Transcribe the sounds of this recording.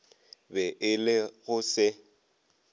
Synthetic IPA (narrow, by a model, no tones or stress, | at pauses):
bɛʔɪlɪɣʊsɪ